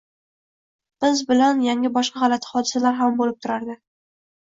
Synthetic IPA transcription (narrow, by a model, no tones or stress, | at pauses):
b̥ɪzbɪlanjaŋʲɪbɒʃqɑhalat̪ʰɪ̥χɒd̪ɪsalaɾɦambolɪp̚t̪ʰʊɾaɾd̪ɪ